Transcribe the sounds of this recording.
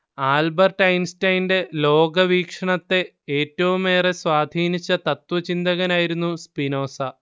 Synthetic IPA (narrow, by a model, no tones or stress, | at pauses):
aːlbɐrʈɐjnstɐjnde̞lo̞ːɡɐʋiːkʂɐɳɐt̪ːe̞ | eːtːɐʋume̞ːresʋaːd̪ʱiːnit͡ɕːɐt̪ɐt̪wɐt͡ɕind̪ɐɣɐnaːjiɾunːuspino̞ːsɐ